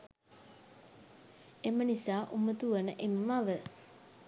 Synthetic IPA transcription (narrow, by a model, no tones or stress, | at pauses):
emənisaːʔumət̪uʋənəʔeməmaʋə